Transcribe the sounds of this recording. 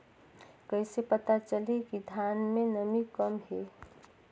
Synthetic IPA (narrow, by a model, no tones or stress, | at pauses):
kəɪsepət̪at͡ʃəlekid̪ʱanmẽnəmikəmɦe